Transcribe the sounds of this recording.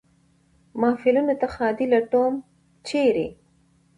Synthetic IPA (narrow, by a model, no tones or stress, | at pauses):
mɑfɪlunot̪axɑd̪ilaʈom | t͡ʃeɾe